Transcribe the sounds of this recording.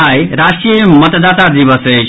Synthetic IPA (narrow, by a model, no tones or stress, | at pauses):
ajɾasʈɾijəmʌt̪d̪aːt̪ad̪iβəse